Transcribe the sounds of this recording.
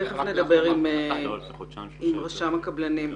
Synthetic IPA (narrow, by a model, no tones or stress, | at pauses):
eχefned̪ɐbe̞ʁim | imʁaʃamakɐblɐnim